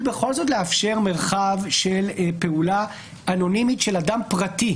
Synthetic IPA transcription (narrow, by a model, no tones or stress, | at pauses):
beχo̞lzo̞t̪leafʃe̞ʁme̞ʁχavʃe̞lpe̞ula | ano̞nimitʃeladampʁati